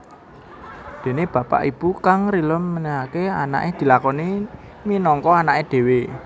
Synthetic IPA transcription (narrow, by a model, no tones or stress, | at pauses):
d̪̥e̤neb̥ä̤pa̰ʔib̥ukaŋɾiləmːəniakeana̰ʔed̪̥i̤lakɔni | minɔŋkɔanaʔed̪̥e̤we